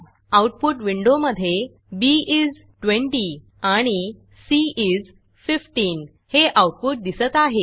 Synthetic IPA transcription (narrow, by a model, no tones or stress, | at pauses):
awʈ̚puʈʋiɳɖoməd̪ʱːje | biiz | ʈʋẽɳʈi | aɽ̃i | siiz | fifʈiːn | heʔawʈ̚puʈ̚d̪isət̪aɦe